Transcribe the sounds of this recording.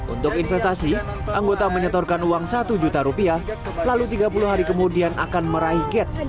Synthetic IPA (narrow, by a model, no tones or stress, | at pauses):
ʔṵnt̪ʊkinfɛst̪asi | ʔaŋɡot̪aməɲət̪ɔrkanuaŋsat̪ud͡ʒut̪aɾupia | lalut̪iɡapuluɦaɾikəmudianʔa̰kanməɾaiɡɛt̪̚